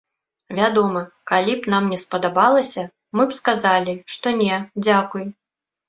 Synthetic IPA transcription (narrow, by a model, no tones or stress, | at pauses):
vʲad̪ɔmɐkalʲipnamnʲɛspɐd̪abalˠɐsʲɐ | mɨpskazalʲiʂt̪ɔnʲɛd͡zʲakuj